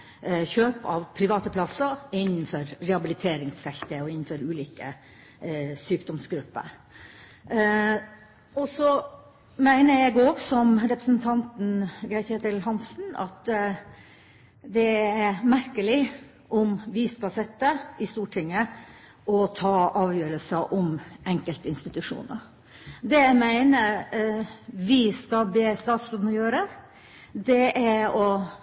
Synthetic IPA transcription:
çøːpɑ̰ʋpʰɾɪʋɑːt̪əpʰlɑsəɪnːn̩fɔɾɾɛhɑbɪlɪt̪ʰeːɾɪŋsfɛlt̪əɔɪnːn̩fɔɾʉːliːkə̰ | syːkd̪ɔmsɡɾʉpːə̰ɾ | ɔsɔ | mæɪnəjæɡoːɡsɔmɾɛpɾəsn̩t̪ʰɑnt̪n̩ɡɾæɪçheːt̪əlɦɑnsn̩ɑ̰t̪ | d̪ɛæɾmæɾkəlɪ | ʔɔmʋɪskɑsɛt̪ːəɪst̪uːʈʰɪŋːə | ʔɔt̪ʰɑːɑːʋjøːɾəlsəʔɔmɛŋkəlt̪ɪnst̪ɪt̪ʉʂṵːnə̰ɾ | d̪ɛæɪmæɪnəɾ | ʋɪskɑb̪eːst̪ɑːt̪sɾoːd̪nɔjøːɾə | d̪ɛʔæɔ

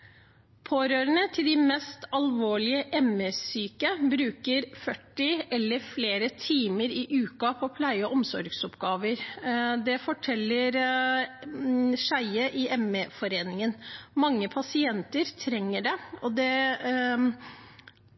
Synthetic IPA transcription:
pʰoːɾøːɾənət̪ʰɪld̪ɪmɛst̪ɑlʋoːɭɪəʔɛməsyːkəbɾʉːkəɾfœʈːɪʔɛlːəɾfleːɾət̪ʰiːməɾɪʔʉːkɑpʰɔpʰlæɪəɔʔɔmsɔ̰ɾɡsɔpɡɑːʋəɾd̪ɛfɔʈʰɛlːəɾ | ʂæɪəʔɪʔɛməfɔɾeːnɪŋənmɑŋːəpʰɑsɪɛnt̪əɾt̪ʰɾɛŋːəɖɛɔd̪ɛ

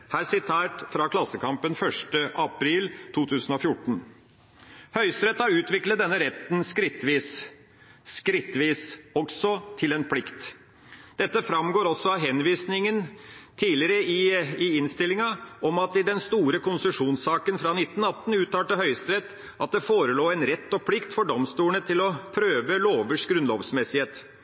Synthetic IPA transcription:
hæːɾsɪt̪ʰæːʈfɾɑkʰlɑsːəkʰɑmpənfœʂʈəʔɑpʰɾiːlt̪ʰuːt̪ʰʉːsənofjʊʈːɳ̩ | hœʏst̪ɾɛt̪hɑɾʉːt̪ʋɪklət̪̚d̪ɛnːəɾɛt̪nskɾɪt̪ːʋiːs | skɾɪt̪ːʋiːsɔksɔt̪ʰɪlɛnpʰlɪkt̪ | d̪̥ɛt̪ːəfɾɑmɡoːɾɔsːɔɑʋɦɛnʋiːsnɪŋənt̪ʰiːlɪɾəɪɪɪnst̪ɪlːɪŋɑɔmɑt̪ɪd̪ɛnst̪uːɾəkʊnsəʂuːnsɑːkənfɾɑnɪt̪ːən̩ɑt̪ːn̩ʉːt̪ɑːʈəɦœʏst̪ɾɛt̪ː | ʔɑt̪̚d̪ɛfoːɾəloːɛnɾɛt̪ːɔpʰlɪkt̪fɔɖɔmst̪uːɳət̪ʰɪlɔpʰɾøːʋəloːʋəʂɡɾʉnlo̰ːʋsmɛsɪheːt̪

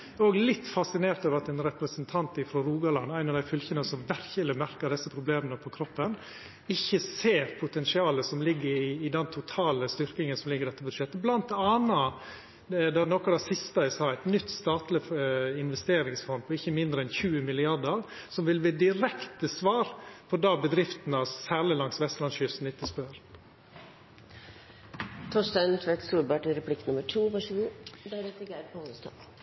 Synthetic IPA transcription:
oːɡlɪt̪ːfɑsɪneːɾt̪ɑʋɾɑt̪ɛnɾɛpɾəsənt̪ʰɑnt̪ɪfɾɔɾuːɡɑlɑ̰nːæɪnɑʋd̪æɪfʏlçənəsɔmʋæɾçələmæɾkəd̪ɛsːəpʰɾʊbleːmənəpʰɔkʰɾɔpːən | ɪçːəseːɾpʰʊt̪ʰɛnsɪɑːləsɔmlɪɡːəɾɪːd̪ɛnt̪ʰʊt̪ʰɑːləst̪ʏɾkɪŋənsɔmlɪɡəɾɖɛt̪ːəbʉd̪ʂɛt̪ːəblɑnt̪ɑːnɑ | d̪ɛnɔkɑd̪ɑsɪst̪ɑɪsɑːæɪt̪nʏt̪ːst̪ɑːt̪lɪɪnʋɛst̪eːɾɪŋsfɔn̚pʰɔɪçːəmɪnd̪ɾəɛnçʉːəmɪlɪɑɖəɾ | sɔmʋɪlʋeːd̪ɪɾɛkt̪əsʋɑːɾpʰɔd̪ɑːbəd̪ɾɪft̪n̩ɑsæːɭɪlɑŋsʋɛst̪lɑnsçʏsn̩ɪt̪ːəspøɾ | t̪ʰɔʂt̪ɑnt̪ʰʋɛt̪suːɾbɑʈɪɾɛpʰlɪknʊməʈʰuːʋɑʂɡʉd̪ɛɾɛt̪ɪɡæɾpʰɔhoəst̪ɑ̰

